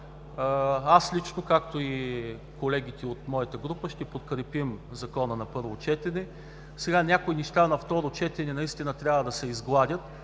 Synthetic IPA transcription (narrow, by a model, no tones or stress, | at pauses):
aslit͡ʃnokakt̪oi | kolɛɡʲit̪ɛot̪mɔjət̪əɡɾupəʃt̪ɛpot̪kɾɛpimzɐkɔnənɐpɤɾvot͡ʃɛt̪ɛnɛ | sɛɡanʲakoiniʃt̪anɐft̪ɔɾot͡ʃɛt̪ɛnɛnɐist̪inət̪ɾʲavəd̪ɐsɛizɡlˠad̪ʲət̪